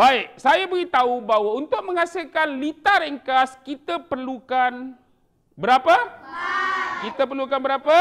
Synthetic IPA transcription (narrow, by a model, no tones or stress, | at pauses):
baɪʔ̚sajabəɡit̪aubaɦwaunt̪ʊk̚mə̃ŋasilkanlit̪aɾɛŋkaskit̪apərlukan | bəɾapa | kit̪apərlukanbəɾapa